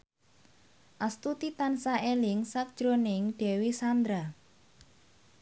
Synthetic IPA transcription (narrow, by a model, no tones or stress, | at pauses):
ʔast̪ut̪it̪ansaʔelɪŋsak̚d̥ʒ̥ɾonɪŋɖ̥ɛ̤wisand̪ɾa